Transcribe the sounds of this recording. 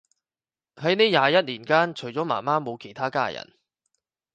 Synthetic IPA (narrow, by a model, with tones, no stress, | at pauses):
hɐ˨˥jniː˥jaː˨˧jɐ˥t̚liː˨˩nkaː˥nt͡ʃʰɵ˨˩jt͡sɔː˨˥ma̰ː˨˩maː˥mo˨˧wkʰe˨˩jt̪ʰaː˥ka̰ː˥jɐ̰˨˩n